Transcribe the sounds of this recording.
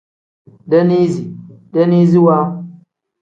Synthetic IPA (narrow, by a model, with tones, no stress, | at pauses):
da˦ni˦zi˨da˦ni˦zi˦wa˦